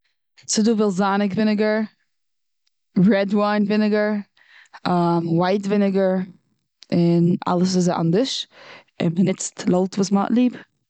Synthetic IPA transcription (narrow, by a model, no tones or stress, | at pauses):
sɪduːvɪlˠszanɪkvɪnɪɡəɹ | ɹɛdwaɪnvɪnɪɡəɹ | amwaɪtvɪnɪɡəɹ | ɪna̰lˠəs̬ɪzʔa̰ndɪʃ | ɪ̰nmənɪt͡stlˠolˠtvuːsmɔ̰ʔlˠiːb